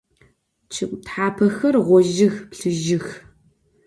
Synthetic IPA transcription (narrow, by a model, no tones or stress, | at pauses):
t͡ʃʰɨkʷʼtħaːpʰɐxɐrʁʷɔʒɪxpɬɨʒɪx